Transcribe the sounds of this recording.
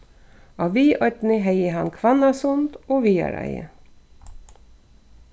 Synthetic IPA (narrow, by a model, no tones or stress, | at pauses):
ɑːʋiːʔɔʈ̪n̩ɪɦeɪəhɑnkʰʋɑnɑsʊnd̪oːʋiːɑ̰ɾæ̰ɪə̰